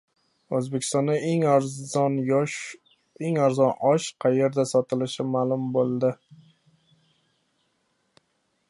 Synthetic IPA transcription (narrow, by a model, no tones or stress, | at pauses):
ɵzbekʲʰɪ̥st̪ɒnd̪aeŋn | eŋaɾzɒnɒʃqʰɑje̞ɾd̪asɒt̪ʰɪlɪʃɪmalˠʊmbolˠd̪ɪ